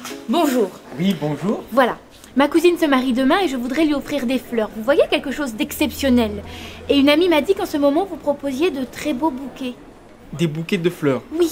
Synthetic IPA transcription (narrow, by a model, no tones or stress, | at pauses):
bɔ̃ʒuːʁwibɔ̃ʒuːʁvwala̰ | makuzinsəmaʁid̪əmɛ̃eʒəvud̪ʁɛlɥiɔfχiʁd̪eflœːʁvuvwajekʲɛlkəʃozd̪ɛksɛpsjɔnɛleynamimad̪ikɑ̃səmɔmɑ̃vupχɔpozjed̪ət̪χɛbobukʲe | d̪ebukʲed̪əflœːʁwi